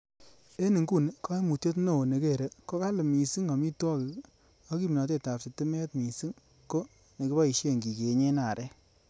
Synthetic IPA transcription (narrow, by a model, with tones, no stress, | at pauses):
e˦ni˨ŋku˦˨n˨˦kɔ˦e˦mu˨tjo˦tno˦˨o˨ne˨ke˦˨ɾe˨ko˦ka˦lɪ˨mi˨si˦ŋɔ˨mi˦twɔ˦kɪ˨ | ɔ˦ki˦mi˨nɔ˨t̬e˦˨ta˨p̚si˨tɪ˦me˦tmi˨si˦ŋ | ko˦ | ne˨ki˦ba˦i˨ʃje˦˨ŋɡi˨ke˨ɲe˦na˨ɾʔɛ˦